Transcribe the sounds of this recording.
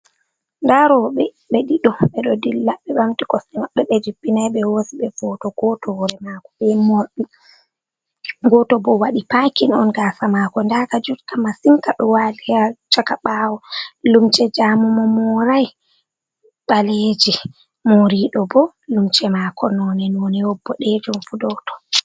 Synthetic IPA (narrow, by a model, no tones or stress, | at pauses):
ndaɾɔɓɛ | ɓeɗiɗɔɓɛɗɔdilːaɓɛɓamtikɔsɛmaɗɔɓɛd͡ʒibːinajɓɛwosiɓɛvɔtɔɡɔtɔhɔɾɛmakɔ̥ɓɛmoɗi | ɡɔtɔbɔwaɗipakinɔ̰nɡasamaːkɔndakad͡ʒutkamasiŋkaɗɔwaliat͡ʃakaɓawɔlumt͡ʃɛd͡ʒamumɔmɔɾaj | ɓaleːd͡ʒi | moɾiɗɔbɔ | lumt͡ʃɛmakʰɔnɔnɛnɔnɛwɔbːɔɗed͡ʒumfudɔtɔ̥